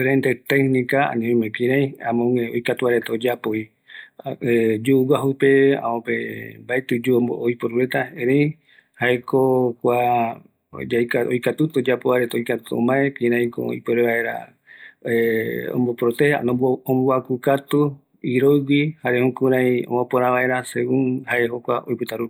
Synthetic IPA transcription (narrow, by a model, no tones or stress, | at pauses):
fɾẽnt̪et̪ehnĩkaa̰nĩẽmẽkĩɾãj̃a̰mõŋeojkat̪uaɾet̪aod͡ʒapoi | ed͡ʒuuwaɦupeã̰õpembaet̪ud͡ʒuojpoɾuɾet̪aẽɾeĩ | haekokʷa | ajkaojkat̪ut̪od͡ʒapoβaɾet̪aojkat̪u̥t̪õ̰mãekĩɾãĩko̰ḭpoɾeβae̞ɾa̰ | õ̰mbopɾot̪eha̰nõõmboakukat̪u | iɾojwihaɾehõkuɾãĩõ̰mõpoɾãβaʔe̞ɾaseuŋhaeɦokʷaʔo̰jpɨt̪aɾup